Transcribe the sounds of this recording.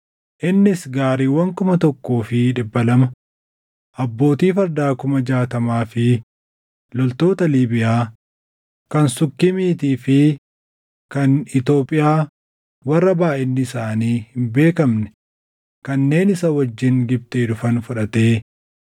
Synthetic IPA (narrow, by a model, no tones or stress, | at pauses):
ʔɪnːɪsɡaːɾiːwɐŋkʊmɐt̪ɔkːoːfɪᶑɪbːɐlɐmɐ | ʔɐbːo̞ːt̪iːfɐɾd̪aːkʊmɐd͡ʒaːt̪ɐmaːfɪ | lɔlt̪o̞ːt̪ɐliːbɪjaː | kɐnsʊkːɪmiːt̪iːfɪ | kɐnɪt̪o̞ːpʼɪjaː | wɐrːɐbaːʔɪnːɪːsaːniːhɪmbe̞ːkɐmnɛ̥ | kɐnːe̞ːnɪsɐwɐd͡ʒːɪŋɡɪb̚t̪eᶑ̪ʊfɐnfʊᶑɐt̪eː